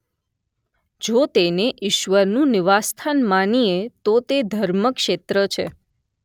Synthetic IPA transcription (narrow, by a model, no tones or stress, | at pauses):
d͡ʒot̪eneʔiʃʋəɾnũnɪʋast̪ʰanmaniet̪ot̪ed̪ʱəɾməkʃet̪ɾət͡ʃʰe